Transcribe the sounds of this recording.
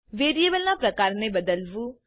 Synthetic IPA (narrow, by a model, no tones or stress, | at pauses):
ʋeːɾijeːbəlnãːpɾəkaːɾneːbəd̪əlʋuː